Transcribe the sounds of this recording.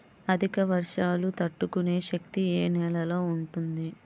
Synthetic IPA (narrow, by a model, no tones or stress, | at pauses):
ɐd̪ʱikɐʋɐɾʂaːlut̪ɐʈːukune̞ːʃɐk̚t̪ieːnɛːlɐlo̞ːuɳʈund̪i